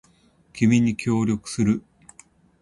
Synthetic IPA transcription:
kʲimʲiɲ̟ikʲo̞ːɾʲo̞kɯ̟̥sɨɾɯ̟

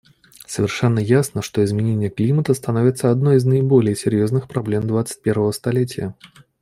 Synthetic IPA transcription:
səvʲɪrʂɛnːəjasnəʂt̪oɪzmʲɪnʲenʲɪjəklʲimət̪əst̪ɐnovʲɪt̪səɐd̪nojiznəɪbolʲɪjəsʲɪɾʲjoznɨxpɾɐblʲemd̪vat̪sɨ̥t̚ʲpʲe̞ɾvəvəst̪ɐlʲet̬ʲɪjə̰

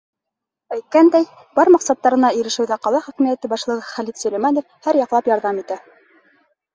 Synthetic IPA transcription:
æjt̪̚kænd̪æj | bɑɾmɑqsɑt̪ːɑɾɤ̆nɑiɾɘ̆ʃɘ̆wðæqɑlˠɑχɵ̆kɘ̆mijæt̪ɘbɑʃlˠɤ̆ʁɤχælit̪sɵlĕjmɑnŏfhæɾjɑqlˠɑpjɑɾðɑmit̪æ

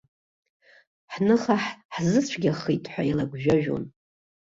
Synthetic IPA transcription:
ħnɨχaħħzɨt͡ɕʷʰɡʲaχijtʼħʷailaɡʷʒᶣaʒᶣo̰n

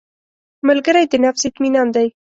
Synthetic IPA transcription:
məlɡəɾajd̪ənafsɪt̪minɑnd̪aj

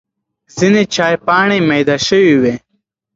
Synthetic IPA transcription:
zinet͡ʃaːjpɑːɳ̃emɐjd̪aʃəwiwe

